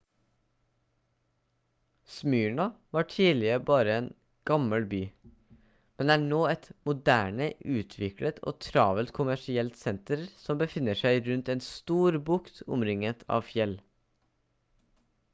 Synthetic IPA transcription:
smyːɳɑʋɑːʈʰiːlɪəbɑːɾəeːn | ɡ̥ɑməlbyː | mɛnd̪ɛːæːɳoːɛt̪mʊd̪æːɳəʔʉːt̪ʰʋɪklət̪ʰo̰ːt̪ʰɾɑːʋəlt̪kʰʊmæʃɪɛlt̪sɛnt̪əɾsɔmbəfɪnəʃæɪɾʉnt̪eːnst̪uːɾbʊkt̪ʰʊ̰mɾɪŋət̪ʰɑ̰ːʋfjɛl

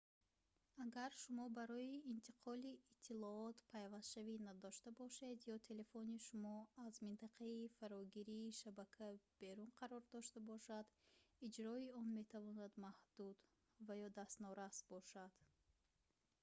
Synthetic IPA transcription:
aɡaɾʃumɔbaɾɔiːnt̪ʰi̥qʰɔliːt̪ʰːilɔɔt̪pʰajvast̪ʃavinad̪ɔʃt̪abɔʃe̞d̪jɔt̪ʰe̞le̞foniʃumɔazmint̪aqʰaifaɾɔɡiɾiːʃabakʰab̥e̞ɾunqʰaɾɔɾd̪ɔʃt̪abɔʃad̪id͡ʒɾɔiɔnme̞t̪ʰavɔnad̪mahd̪̥ud̪ | vajɔd̪ast̪nɔɾasbɔʃad̪̥

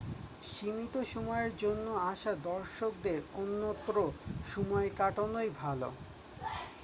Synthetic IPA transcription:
ʃimit̪oʃɔmɔeɾd͡ʑonːoaʃad̪ɔɾʃok̚d̪eɾonːot̪ːɾoʃɔmɔekaʈonojbʱalo

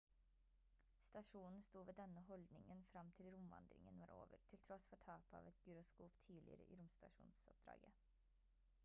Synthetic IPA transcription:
st̪ɑʂuːnn̩st̪uːʋeːd̪ɛnəɦɔld̪nɪŋənfɾɑmt̪ʰɪlɾʊmʋɑ̰nd̪ɾɪ̰ŋə̰nʋɑːɾʔo̰ːʋə̰ɾt̪ʰɪlt̪ʰɾɔsfɔʈʰɑːpəɑ̰ːʋɛt̪ɡʉɾʊskuːpt̪ʰiːlɪ̰ɾə̰ʔḭːɾʊmst̪ɑʂuːnsɔp̚d̪̥ɾɑ̰ːɡə

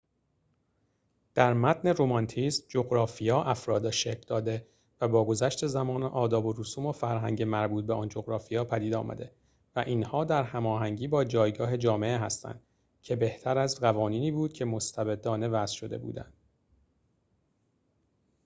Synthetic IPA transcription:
d̪̥æɾmæt̪ʰne̞ɾomɒnt̪ʰisd͡ʒoɣɾɒːfijɒːʔæfɾɒːd̪ɒʃekld̪ɒːd̪e | væbɒːɡo̞zæʃt̪e̞zæmɒːneʔɒːd̪ɒːbo̞ɾusuːmofæɾɦæ̰ŋɟemæɾbuːt̪̚be̞ɒːnd͡ʒo̞ɣɾɒːfijɒːpʰæd̪iːd̪ɒ̰ːmʔæ̰d̪e̞ | væʔiːnhɒːd̪æɾhæmɒːɦæŋɟiːbɒːd͡ʒɒːjɡɒːɦe̞d͡ʒɒːme̞eɦæst̪æ̰nd̪̥ | cʰe̞be̞ht̪ʰæɾæzɢævɒːniːniːbuːd̪̥cʰe̞mo̞st̪ʰæbe̞d̪ːɒːne̞væz̥ʃo̞d̪e̞̰bṵːd̪æ̰nd̥̪

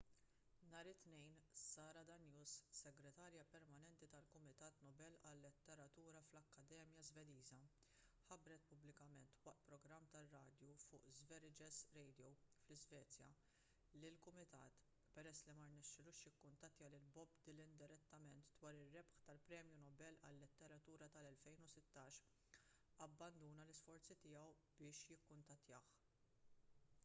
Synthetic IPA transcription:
nɐːɾɪt̪nɛjnsɐːɾɐd̪ɐnjuːssɛɡɾɛt̪ɐːɾjɐpɛɾmɐnɛnt̪it̪ɐlkʊmɪt̪ɐːt̪nɔbɛlɐlːɛt̪ːɛɾɐt̪uːɾɐflɐkːɐd̪ɛːmjɐzvɛd̪iːzɐ | ħɐbɾɛt̪pʊblɪkɐmɛnt̪wɐʔt̪pɾɔɡɾɐmːt̪ɐrːɐːd̪jufʊːʔzvɛɾɪd͡ʒɛsɾɛjd̪jɔwflɪzvɛːt͡sjɐ̰ | lɪlkʊmɪt̪ɐ̰ːt̪ | pɛɾɛsːlimɐɾnɛʃːɪluːʃjɪkːʊnt̪ɐt̪ːjɐlɪlbɔbd̪ɪlɪnd̪ɪɾɛt̪ːɐmɛnt̪d̪wɐːɾɪrːɛpħt̪ɐlpɾɛːmjunɔbɛlɐ̰lːɪt̪ːɛɾɐt̪uːɾɐt̪ɐlɛlfɛjnʊsɪt̪ːɐːʃ | ɐbːɐnd̪uːnɐlɪsfɔɾt͡sit̪ɪːjɐw | bɪːʃjɪkːʊnt̪ɐt̪ːjɐːħ

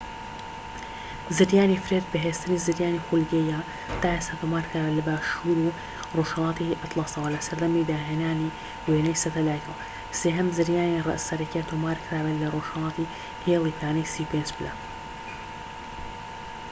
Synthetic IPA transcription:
zɨɾjaːnifɾet̪̚bɨɦeːst̪ɨnizɨɾjaːnixulɡejaː | t̪aːʔest̪at̪ʰomaːɾkʰɾaːbɐlɐbaːʃuːɾu | roʒhɐlˠɑːt̪iʔɐt̪lˠɑːsɐwɐlɐsɐɾd̪ɐmid̪aːɦeːnaːni | weːnɐjsɐt̪ɐlaːjkʰɐw | seːɦɐmzɨɾjaːnirˤɐ̰sɐɾɐkiat̪ʰoːmaːɾkʰɾaːbɨlɐroːʒ̥hɐlˠɑːt̪i | heːlˠiːpaːnɐjsiːpend͡ʒbla̰ː

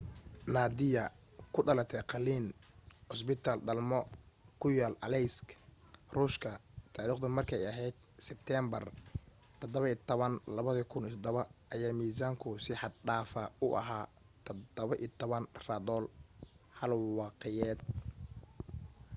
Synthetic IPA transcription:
naːd̪ɪjɐ | kʰʊɖɐlɐt̪ʰɛqɑliːnʊs̬bɪt̪ʰaːlɖɐlmɔkʰʊjaːlʔɐlɛjskʰ | ruːʃkʰɐt̪ʰaːɾiːχt̪ʊmɐrkʰɛjɐɦɛjd̪̥̚ | sɛb̚t̪ʰɛːmbɐr | t̪ʰɔd̪ɔβɐiːt̪ʰɔβɐnlɐβɐðɐkʰʊnit̪ʰɔd̪ɔβɐʔɐjaːmiːsaːŋkʰʊsɪħɑd̪̚ɖaːfɐʊʔɐ̰ɦaː | t̪ʰɔd̪ɔβɐʔit̪ʰɔβɐnrad̪ɔːl | hɐlwɑːqɛjɛːd̪

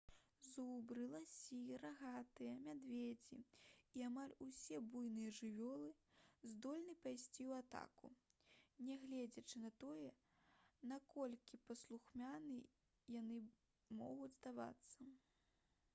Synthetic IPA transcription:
zubɾɨlˠasʲiraɣat̪ɨjɐmʲad̪vʲed͡zʲiiamalʲusʲɛbujnɨjɐʐɨvʲɔlˠɨzd̪ɔlʲnɨpajsʲt͡sʲiwat̪a̰kṵnʲɛɣlʲɛd͡zʲɐt͡ʂɨnɐt̪ɔjɛ | nakɔlʲkʲipɐslˠuxmʲanɨ | janɨ | mɔ̰ɣud͡zʲzd̪ava̰t̪sːɐ

